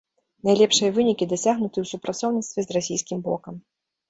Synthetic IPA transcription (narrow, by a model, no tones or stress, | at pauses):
najlʲɛpʂɨjɐvɨnʲikʲid̪asʲaɣnut̪ɨwsupɾʔat̪sɔwnʲit̪st̪vʲɛzrasʲijskʲimbɔ̰kɐm